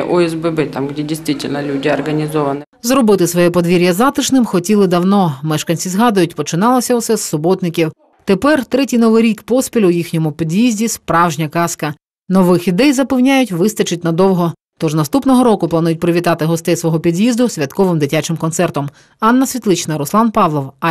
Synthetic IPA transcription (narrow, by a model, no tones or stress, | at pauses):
ʔɔɛzbɛbɛt̪amɡdʲedʲɪjst̪ʋʲitʲɪlʲnɐlʲudʲɪɐrɡɐnʲɪzɔʋɐnɪ | zrɔbɪt̪ɪsʋɔjɛpɔd̪ʋʲiɾʲjɐzɑt̪ɪʃnɪmxɔtʲilˠɪd̪ɐwnɔmɛʃkɐnʲt͡sʲizɦɑd̪ʊjʊtʲpɔt͡ʃɪnɑlˠɔsʲɐʊsɛsːʊbɔt̪nɪkʲiw | t̪epɛrt̪ɾɛtʲijnɔʋɪɾʲikpɔspʲilʲʊjixnʲɔmʊpʲid̪ʲjizʲdʲispɾɑwʒnʲɐkɑskɐ | nɔʋɪxid̪ɛjzɐpɪwnʲajʊtʲʋɪst̪ɐt͡ʃɪt̚ʲnɐd̪ɔwɦɔ | t̪ɔʒnɐst̪upnɔɦɔɾɔkʊplˠɐnujʊt̚ʲpɾɪʋʲit̪ɑt̪ɪɦɔst̪ɛjsʋɔɦɔpʲid̪jizd̪ʊsʲʋʲɐt̪kɔʋɪmd̪ɪtʲat͡ʃɪmkɔnsɛrt̪ɔm | ɑnːɐsʲʋʲit̪lˠɪt͡ʃnɐɾʊslˠɑnpɑʋlˠɔw